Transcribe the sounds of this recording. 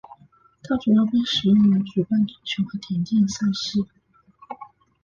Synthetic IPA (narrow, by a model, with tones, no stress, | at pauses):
t̪ʰa˥ʈ͡ʂu˨˩jɑ˥˧ʊpe˥˧ɪʂɻ̩˨˩jʊ˥˩ŋlə˧˥nʈ͡ʂu˨˩pa˥˩nti˨˩t͡ɕʰjo˧˥xɤ˧˥t̪ʰjɛ˧˥nt͡ɕjɛ˥˧nsa˥˧ʂɻ̩˥˩